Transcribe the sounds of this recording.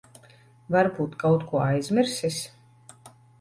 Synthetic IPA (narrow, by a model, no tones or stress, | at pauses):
vaɾbuːt̪kawt̪kuɔajzmʲiɾsis